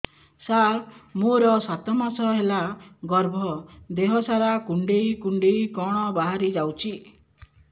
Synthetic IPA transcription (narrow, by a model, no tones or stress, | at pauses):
samoɾɔsat̪ɔmasɔɦelaɡɔɾbʱɔd̪eɦɔsaɾakuɳɖejkuɳɖejkɔɽ̃ɔbaɦaɾid͡ʒawt͡ʃʰi